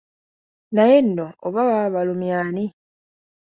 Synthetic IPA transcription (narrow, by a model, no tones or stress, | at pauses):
naje̞nːooβaβaβalumjaːni